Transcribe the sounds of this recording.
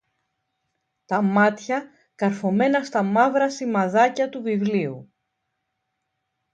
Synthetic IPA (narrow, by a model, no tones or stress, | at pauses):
t̪ɐmɐt̪çɐ | kɐɾfo̞me̞nɐst̪ɐmɐvɾɐsimɐðɐcɐt̪uvivliu